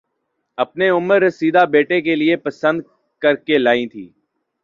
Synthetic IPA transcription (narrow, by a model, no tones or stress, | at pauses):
ɐpneʊməɾsiːd̪ʱabeːʈek̬elɪepəsə̃nd̪̚ | kəɾkelaːĩt̪ʰḭː